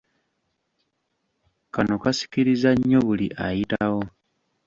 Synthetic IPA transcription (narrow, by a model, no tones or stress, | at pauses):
kano̞kasi̥kiɾizaɲːo̞βuliʔajitaɣo̞